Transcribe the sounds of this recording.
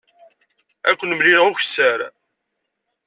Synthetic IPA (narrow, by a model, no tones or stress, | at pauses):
ækʷːənmliɾʁʊçsəɾ